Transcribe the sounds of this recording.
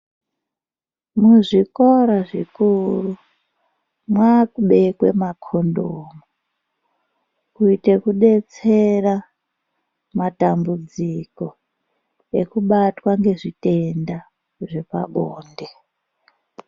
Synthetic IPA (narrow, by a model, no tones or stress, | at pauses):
muʐikoɾaʐikuru | mwakuɓe̞kwe̞̰makʰo̞ndoːmu | kuite̞kuɗe̞t͡se̞ra | matambud͡ziko̞ | e̞kuɓatwaŋɡe̞ʐite̞nda | ʐe̞pa̰ɓoːnde